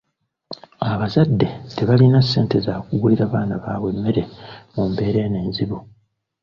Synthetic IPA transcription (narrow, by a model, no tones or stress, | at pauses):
aβazadːe̞te̞βalinasːe̞ːnte̞zaːkuɡuliɾaːβaːnaβaːβwe̞mːe̞ɾe̞mumbe̞ːɾe̞neːnziβu